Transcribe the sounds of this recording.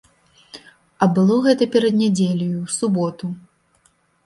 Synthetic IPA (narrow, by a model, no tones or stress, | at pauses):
ɐbɨlˠɔɣɛt̪ɐpʲɛɾɐd̪nʲɛd͡zʲelʲɐjusubɔt̪u